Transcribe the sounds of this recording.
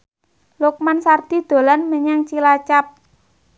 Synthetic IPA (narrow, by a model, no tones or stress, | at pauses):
luk̚mansard̪̥i̤d̪̥o̤lanməɲaŋt͡ʃilat͡ʃap̚